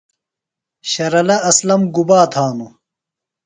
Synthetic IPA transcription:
ɕɐɾɐlɐɐslɐmɡubaːt̪ʰaːnu

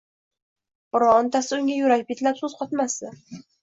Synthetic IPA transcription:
ɾɒnt̪ʰasɪʊŋʲajʊɾaɡʲɪp̚ʲet̪lapsɵz̥qʰɒt̪masɪ

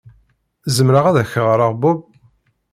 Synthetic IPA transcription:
zəmɾəʁaðæçəʁəɾˤəʁbʊb

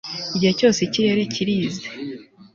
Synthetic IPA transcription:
iɟihe̞co̞ːseciɾe̞ɾe̞ciɾiːze

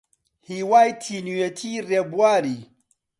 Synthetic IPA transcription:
hiːwaːjt̪ʰiːnujet̪ʰiːrebuwaːɾiː

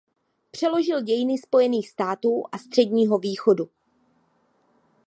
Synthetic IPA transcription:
pr̝̥ɛlo̞ʒɪlɟɛjɪnɪspo̞jɛniːxst̪aːt̪uːʔast̪r̝̥ɛɟɲiːɦo̞viːxo̞du

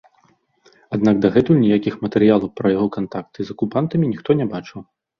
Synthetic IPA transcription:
ad̪naɡd̪ɐɣɛt̪ujnʲijakʲixmɐt̪ɛɾɨjalˠɐwpɾɐjaɣɔkant̪ak̚t̪ɨzɐkupant̪ɐmʲinʲixt̪ɔnʲɛbat͡ʂɨw

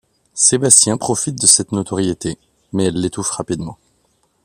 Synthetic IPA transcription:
sebast̪jɛ̃pχɔfit̪̚d̪əsɛt̪not̪ɔʁjet̪e | mɛɛlːet̪ufʁapid̪mɑ̰̃

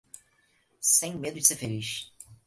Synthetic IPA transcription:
sẽj̃med̪ʊd͡ʒɪsefeliʃ

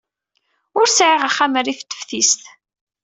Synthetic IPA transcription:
ʊɾsʕiʁaχːæmərːiθt̪ːə̥fθist̪

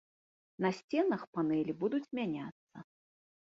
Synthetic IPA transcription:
nɐsʲt͡sʲɛnɐxpanɛlʲibud̪ut͡sʲmʲanʲat̪sːɐ

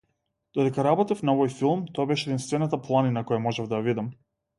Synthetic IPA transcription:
d̪̥ɔd̪ɛkaɾabɔt̪ifnaɔvɔjfilˠmt̪ɔjabɛʃɛɛd̪inst̪vɛnat̪aplˠaninakɔjamɔʒɛvd̪ajavid̪am

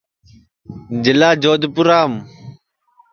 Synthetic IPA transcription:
d͡ʒɪlaːd͡ʒoːd̪pʊɾaːm

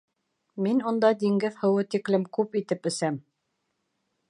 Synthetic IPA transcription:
minund̪ɑd̪iŋɡɘðhɤ̆wɤt̪iklɘmkʉpit̪ɘpɵ̆sæm

